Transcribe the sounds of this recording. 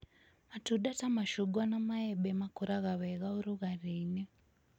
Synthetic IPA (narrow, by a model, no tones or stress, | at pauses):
matuɗatamaʃuɡwanamaɛɓɛmakuɾaɣaβɛɣauɾuɣarinɛ